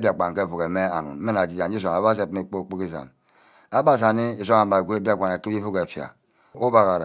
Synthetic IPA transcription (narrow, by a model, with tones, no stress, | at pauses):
bi˦a˨k͡pa˨ŋ˨ke˦˨fu˨ke˨me˦a˨nṵ˨n˦e˦na˨d͡ʒi˨d͡ʒa˨n˦i˦s̬a˨a˨ba˦s̬e˦˨˦me˨k͡po˦˨k͡pu˦ki˦sa̰˨n | a˦ba˦˨s̬a˨ni˦i˨sʷa˦a˨ba˨ɡʷe˦bi˦a˦˨kʷa˨na˨ki˦bi˦fu˦ke˨fja̰˨ | o˦ba˨ɣa˨ɾa˨